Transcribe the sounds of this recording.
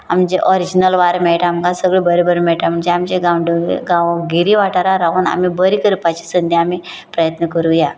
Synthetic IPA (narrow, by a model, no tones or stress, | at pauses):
amd͡ʑeʔɔɾid͡ʑinəlʋaɾmɛɭʈaːmkasəɡɭebəɾebəɾmɛɭʈam̤əɳd͡zeamd͡ʑeɡawɳɖɡãʋɡiɾiʋaʈaɾaɾaɦuːna̰mibəɾikəɾpat͡ɕi̥sənd̪ʱjaami | pɾəjət̪nəkəɾuja